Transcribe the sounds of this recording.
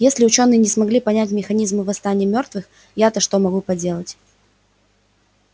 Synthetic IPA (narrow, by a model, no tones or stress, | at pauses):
jesʲlʲɪʊt͡ɕo̞nːɨjənʲɪsmɐɡlʲipɐnʲætʲmʲɪxɐnʲizmɨvɐst̪anʲɪjəmʲo̞rt̪vɨx | jat̪əʂt̪o̞mɐɡupɐdʲe̞lˠətʲ